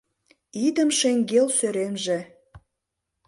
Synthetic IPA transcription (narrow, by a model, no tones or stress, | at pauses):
id̪əmʃeŋɡelsøɾemʒĕ